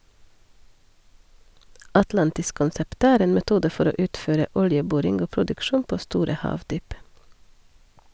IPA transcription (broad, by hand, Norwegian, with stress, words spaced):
ɑtˈlɑntɪskʊnˌsɛpt ˈæːɾ ˈeːn mɛˈtuːdə ˈfɔɾ ˈoː ˈʉːtˌføːɾə ˈʊljəˌbuːɾɪŋɡ ˈoː pɾʊdʉkˈʃuːn ˈpoː ˈstuːɾə ˈhɑːʋˌdyːp